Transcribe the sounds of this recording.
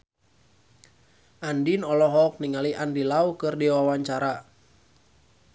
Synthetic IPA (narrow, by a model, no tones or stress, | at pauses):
ʔandinɔlɔɦɔk̚niŋaliʔandilaukɨrdiwawaɲt͡ʃaɾa